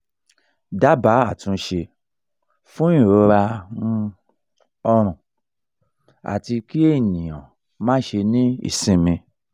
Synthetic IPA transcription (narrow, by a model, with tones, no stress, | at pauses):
da˦ba˨˦a˦˨tũ˧˦ʃe˧ | fũ˦ĩ˦˨ɾo˨˦ɾa˧nũ˧ | ɔ˧ɾ̃ũ˨ | a̰˨ti˧ki˦e˦˨nĩ˨j̃ã̰˨ | mã˦ʃe˧nĩ˦ḭ˦˨sĩ˦mĩ˧